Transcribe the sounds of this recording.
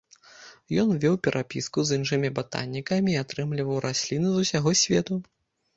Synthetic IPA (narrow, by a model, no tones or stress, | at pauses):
jɔnvʲɛwpʲɛɾʔapʲiskuzinʂɨmʲibat̪a̰nʲːikɐmʲiːat̪ɾɨmlʲivɐwɾʔasʲlʲinɨzusʲaɣɔsʲvʲɛt̪u